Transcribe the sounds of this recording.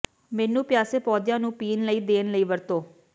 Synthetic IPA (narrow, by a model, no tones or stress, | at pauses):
mɛːnũːpɪjaːseːpɔːd̪jãːnũːpiːnləiːd̪eːnləiːʋəɾt̪oː